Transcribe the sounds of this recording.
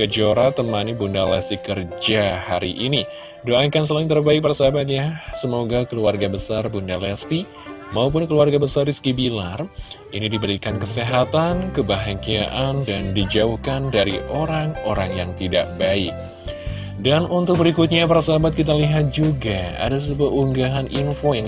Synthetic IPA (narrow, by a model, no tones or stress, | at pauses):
kəd͡ʒoɾat̪əmanibundalɛ̰st̪ikərd͡ʒahaɾḭʔini | doakans̬əlaŋt̪ərbaik̚paɾasaɦabat̪̚ɲasəmoɡakəluarɡabəsarbundalɛst̪i | maup̬ʊnkəluarɡabəsariskibilarʔinidibəɾikankəseɦat̪ankəbaɦakia̰ʔandandid͡ʒauhkandaɾiʔoɾaŋo̰ɾaŋjaŋt̪ida̰ʔ̚baɪk̚ | danunt̪ʊk̚bəɾikut̪̚ɲapaɾasaɦabat̪̚kit̪̬aliɦat̪̚d͡ʒuɡaa̰das̬əbuauŋɡaɦaninfoja